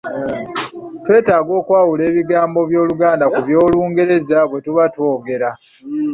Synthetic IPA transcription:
twe̞ːtaːɡo̞ːkwaːwule̞ːβiɡaːmbo̞βjo̞ːluɡaːndakuβjo̞ːluːŋɡe̞ɾe̞zaβwe̞tuβatwo̞ːɡe̞ɾa

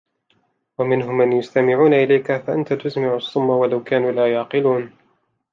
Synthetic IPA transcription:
wamɪnɦʊmːanjʊst̪amɪʕuːnaʔɪlajkafaʔant̪at̪ʊsmɪʕɑsˤːʊmːawalawkaːnuːlaːjɑʕqɨluːn

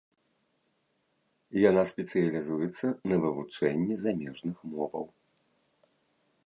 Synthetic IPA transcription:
janaspʲɛt̪sɨjɐlʲizujɛt̪sːɐnɐvɨvut͡ʂɛnʲːizamʲɛʐnɨxmɔvɐ̰w

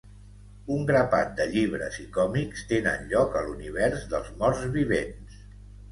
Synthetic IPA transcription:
uŋɡɾəpa̰t̪̚d̪əʎiβ̞ɾə̰zikɔmikst̪enə̰nʎɔkəluniβ̞ɛɾzðəlˠzmɔrzβiβens

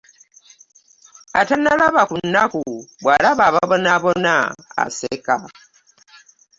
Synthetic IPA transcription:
a̰tanalaβakunːakubwalaβaβaβɔnaβɔnaa̰sekʼa

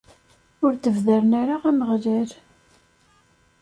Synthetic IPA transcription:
ʊɾθəvðəɾənaɾaʁæməʁlæɾ

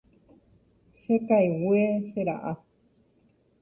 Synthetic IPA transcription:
ʃekajweʃeɾa̰ʔa

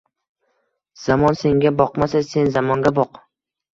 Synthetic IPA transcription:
z̥amɒnse̞ŋɡʲabɒqmasase̞nzamɒŋɡʲabɒq

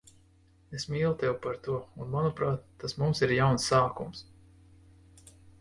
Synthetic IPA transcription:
esmʲiːlˠt̪ɛwpaɾt̪uɔunmanupɾaːt̪ːasmumsiɾjawnsːaːkums

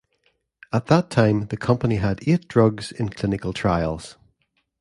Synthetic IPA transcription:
ət̪̚ðətʰãɪ̃mðəkʰʌ̃mpəniədeʔ̚d̥ɹʌɡz̥ɪ̰̃nkʰl̥ɪ̃nɪkəlˠtʰɹ̥aɪəlˠz̥

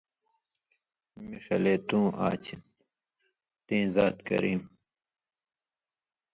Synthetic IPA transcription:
miʂɐleːt̪ũːʔa̰ːt͡ɕʰi | t̪ẽːzaːt̪kɐ̰ɾiːm

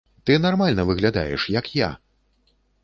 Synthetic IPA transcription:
t̪ɨnarmalʲnɐvɨɣlʲad̪a̰jɛ̰ʂjɐkja̰

